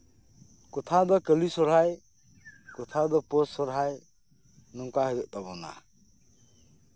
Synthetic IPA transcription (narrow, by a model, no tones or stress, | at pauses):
kɔt̪ʰad̪ɔkəlisɔɾɦaj | kɔt̪ʰad̪ɔpɔsɔɾɦaj | nɔŋkaɦəd̪ɔʔt̪abɔna̰